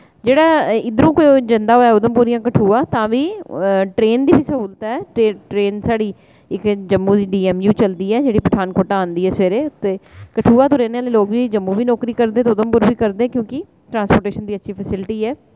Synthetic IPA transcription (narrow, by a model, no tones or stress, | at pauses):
d͡ʒeːɽaːɪd̪əɾũːkoid͡ʒənd̪aːɦoːaɛːʊd̪əmpuːɾijãːkəʈʰuːaːt̪ãːʋiːʈɾeːnd̪iːbiːsəɦuːlt̪aːɛːeʈɾeːnsaːɽiː | ɪkd͡ʒəmːũːd̪iːɖiːɛːmjũːt͡ʃəld̪iːɛːd͡ʒeːɽiːpəʈʰaːnkoːʈaːnd̪iːɛːseːɾeːt̪eːkəʈʰuːaːt̪oːɾeːneaːleːloːɡʋiːd͡ʒəmːuːʋiːnɔːkɾiːkəɾd̪eːt̪eʊd̪əmpʊɾʋiːkəɾd̪eːkjõːkɪ | ʈɾãːnspoːɾʈeːʃənd̪iːətːʃʰiːpʰəsɪlʈiːɛː